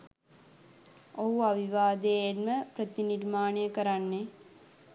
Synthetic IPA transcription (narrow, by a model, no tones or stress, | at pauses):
oɦuaʋiʋaːd̪enməpɾət̪iniɾmaːnijəkɐɾanːe